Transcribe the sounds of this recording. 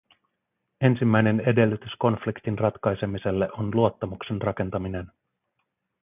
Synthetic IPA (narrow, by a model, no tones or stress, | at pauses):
e̞nsimːæjne̞ne̞de̞lːyt̪ysko̞nflikt̪inrɑt̪kɑjse̞mise̞lːe̞ʔonluo̞t̪ːɑmukse̞nrɑke̞nt̪ɑmine̞n